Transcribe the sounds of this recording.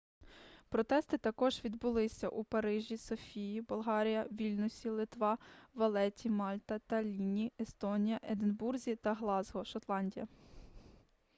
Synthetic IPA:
pɾɔt̪ɛst̪ɪt̪ɐkɔʒʋʲid̪bʊlˠɪsʲɐ̰ʔupɐɾɪʒʲisɔfʲijibɔlˠɦɑɾʲijɐʋʲilʲnʊsʲilˠɪt̪ʋɑʋɐlˠɛtʲimɑlʲt̪ɐt̪ɐlʲinʲiest̪ɔnʲijɐʔed̪enburzʲit̪ɐɦlˠɑzɦɔʃɔt̪lˠɑnʲdʲijɐ̰

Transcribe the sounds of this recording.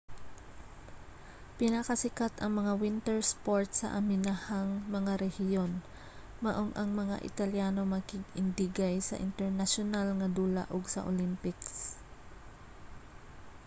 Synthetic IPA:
pɪnɐkɐsɪkat̪ɐŋmɐŋawɪnt̪ɛɹspoɹt̪̚sɐ̰ʔɐmɪnahaŋmɐŋaɾɛhɪjo̞n | mɐʔoŋʔɐŋmɐŋa̰ʔɪ̰t̪ɐljaːno̞mɐkɪɡɪnd̪ɪɡajsɐ̰ʔɪ̰nt̪ɛɹnɐʃonalŋɐd̪ula̰ʔoɡsɐ̰ʔo̰lɪmpɪks

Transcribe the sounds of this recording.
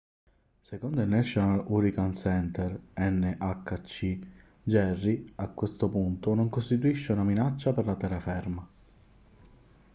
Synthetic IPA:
sekond̪oilnɛʃːonaluɾikansɛnt̪ɛrɛnːeʔakːat͡ʃːi | d͡ʒɛrːiakːwest̪opunt̪onoŋkost̪it̪uiʃːeunaminat͡ʃːaperlat̪ɛrːafɛrma

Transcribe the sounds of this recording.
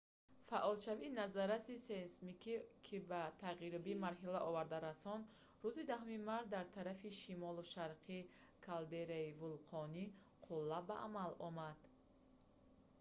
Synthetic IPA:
faʔɔlʃavinazaɾasisensmikʰikʰibat̪ʰaʁiɾubimaɾɦilaʔɔvaɾd̪aɾasɔnd̪ | ɾuzid̪aɦumimaɾt̪̚d̪aɾt̪ʰaɾafiʃimɔluʃaɾqʰikʰald̪eɾaivulqʰɔni | qʰulːabaʔa̰malɔmad̪̥

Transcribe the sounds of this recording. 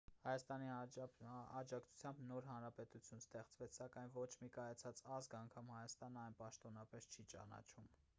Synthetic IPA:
hɑjɑst̪ɑni | ɑd͡ʒɑkt͡sʰu̥t͡sʰjɑmbnɔɾɦɑnɾɑpɛt̪ut͡sʰjunst̪ɛχt͡svɛt͡sʰsɑkɑjnvɔt͡ʃʰmikɑjɑt͡sʰɑt͡sɑzɡɑŋkʰɑmhɑjɑst̪ɑnəɑjnpɑʃt̪ɔnɑpɛst͡ʃʰit͡ʃɑ̰nɑ̰t͡ʃʰum

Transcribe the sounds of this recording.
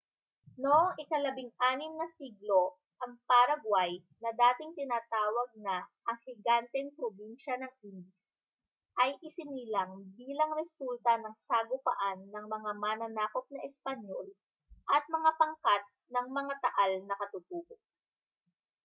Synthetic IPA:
noʔɪkɐlɐbɪŋʔaːnɪmnɐsiːɡlo̞ | ʔɐŋpaɾɐɡwaj | nɐd̪aːt̪ɪŋt̪ɪnaːt̪aːwɐɡ̚nɐʔɐŋhɪɡant̪ɛŋpɾobinʃɐnɐŋʔind̪ɪs | ʔɐjʔɪsɪniːlɐŋbiːlɐŋɾɛsult̪ɐnɐŋsaɡʊpɐ̰ʔanːɐŋmɐŋamanɐnaːkop̚nɐʔɛspɐɲol | ʔɐt̪̚mɐŋapɐŋkat̪̚nɐŋmɐŋat̪ɐʔalnɐkɐt̪ʊt̪uːbok̚

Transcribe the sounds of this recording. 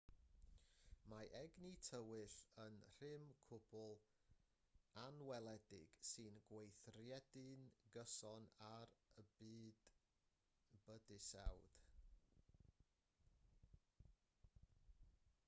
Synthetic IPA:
maʔɛɡnitʰəwɪɬənr̥ɪmkʰʊb̥ʊlˠ | anwɛlˠɛdɪ̰ɡ̥sɨnɡwejθrjɛdɨnɡəsɔnaɾəbɨːd̥ | b̥ədɨsɛwd̥

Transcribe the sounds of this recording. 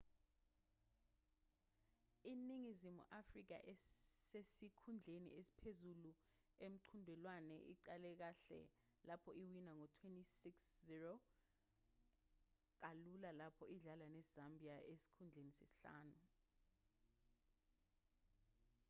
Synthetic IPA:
iniŋizimṵʔafrik̬a̰ʔɛsesikʰund͡ɮʱenḭesi̥pʰezulu | em̩ǀʰundʱɛlwanɛ̰ʔḭǀalɛk̬aɬɛ̰ | lapʰɔiwinaŋɔtʰwentʼisiksziro | k̬alulalapʰɔʔiɮalanɛzambʱiaʔesi̥kʰund͡ɮʱenisesi̥ɬa̰ːnu

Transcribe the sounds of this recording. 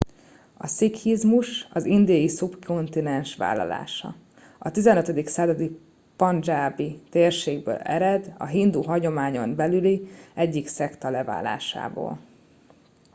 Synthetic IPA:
ɒsikhizmuʃɒzind̪iɒjisubkʰo̞nt̪inɛnʃʋa̰ːlːɒ̰la̰ːʃɒ̰ | ɒt̪izɛnøt̪ɛd̪iksaːzɒd̪i | pɒnd͡ʒaːbit̪eːrʃeːɡbø̰ːlɛ̰ɾɛd̪ɒ̰ɦind̪uɦɒɟo̞maːɲo̞mbɛlyliɛɟːiksɛkt̪ɒlɛva̰ːla̰ːʃa̰ːbo̰ːl

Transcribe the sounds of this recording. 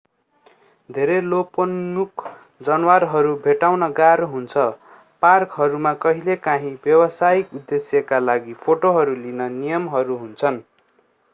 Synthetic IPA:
d̪ʱeɾeloponmukʰ | d͡zʌnwarɦʌɾubʱeʈawnʌɡaɾɦunt͡sʰʌ | parkɦʌɾumakʌɦilekaɦĩbjʌwʌsaikud̪ːesjʌkalaɡipʰoʈoɦʌɾulinʌnijʌmɦʌɾuɦunt͡sʰʌn

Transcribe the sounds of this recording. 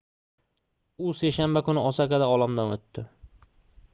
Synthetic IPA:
ʊse̞ʃanbakʊnɪɒsakad̪aɒlˠamd̪anot̪ːɪ

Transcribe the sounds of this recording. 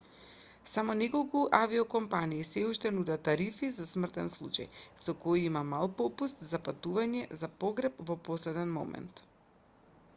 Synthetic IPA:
samɔnɛkolˠkuʔaviɔkɔmpaniːsɛuʃt̪ɛnud̪at̪ːaɾifizasmr̩t̪ɛnslˠṵt͡ʃa̰jsɔkojimamalˠpɔpust̪zapat̪uvaɲɛzapɔɡɾɛpvɔpɔslɛd̪ɛnmɔ̰mɛ̰nt̪

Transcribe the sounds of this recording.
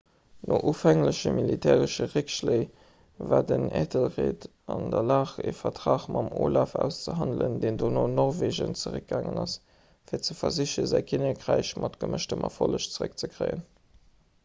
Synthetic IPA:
nʔoʔuːfæŋləɕəmilitʰɛːʁəʃəʁekʃleɪ | vaːdəneːtʰəlʁeːt | ɑndɐlaːχefɐtʁaːχmɑmoːlɑfæːʊst͡səɦɑndləndeːndoːnoːnɔʁveːʒənt͡səʁək̚ɡaːŋənɑs | fiːɐt͡səfɐziɕəzæɪkʰinɐkʁæɪɕmʔɑtɡ̥əməʃtəmʔɑfoləɕt͡səʁək̚t͡səkʰʁeɪən

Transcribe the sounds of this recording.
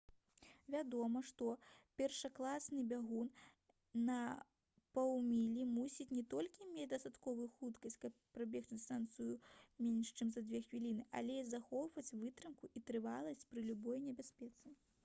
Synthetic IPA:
vʲad̪ɔmɐʂt̪ɔpʲɛrʂɐklˠasnɨbʲaɣun | nɐ | pawmʲilʲimusʲit͡sʲnʲɛt̪ɔlʲkʲimʲet͡sʲd̪ɐst̪at̪kɔvujuxut̪kɐsʲt͡sʲkɐpːɾabʲɛxt͡ʃ̪st̪ant̪sɨjumʲɛnʲʂt͡ʂɨmzɐd͡z̪ʲvʲɛxvʲilʲinɨʔa̰lʲɛzaxɔwvɐt͡sʲvɨt̪ɾɨmkuʔit̪ɾɨvalˠɐsʲt͡sʲpɾɨlʲubɔjnʲɛbʲasʲpʲɛt̪sɨ

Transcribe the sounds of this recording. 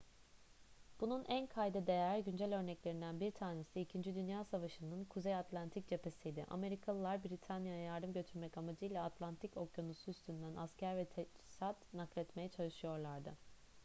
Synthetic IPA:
b̥ununʔænkʰajd̪ɯd̪e̞jæɾɟynd͡ʒælʲø̞ɾnɛclʲe̞ɾind̪ænbiɾt̪ʰaːne̞siicʰind͡ʒid̪ynjaːsavaʃɯnɯnkʰuzejat̪lʲˠant̪ʰic̚d͡ʒe̞pʰe̞sijd̪ɪʔa̰me̞ɾikʰalˠɯlˠaɾbɾit̪ʰanjajajaɾd̪ɯmɟø̞t̪ʰyɾmɛcamad͡ʒɯjlʲˠaat̪ʰlʲˠant̪ʰico̞kjonusuːst̪ʰynd̪ænʔascæɾvɛt̪ʰɛsat̪naklʲɛt̪mejɛt͡ʃʰalˠɯʃɯjo̞ɾlˠaɾd̪ɯ

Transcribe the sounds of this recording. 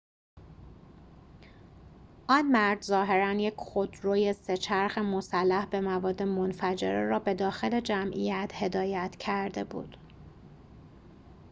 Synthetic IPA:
ʔɒnmæɾd̪zɒːɦe̞ɾænje̞cʰxod̪ɾoːjese̞t͡ʃʰæɾxemosælːæhbe̞mævɒːd̪ːe̞monfæd͡ʒe̞̰ɾeɾɒːbe̞d̪ɒːxe̞le̞d͡ʒæmʔḭjæt̪ʰhe̞d̪ɒːjæt̪ʰcʰæɾd̪e̞bṵːd̪̥

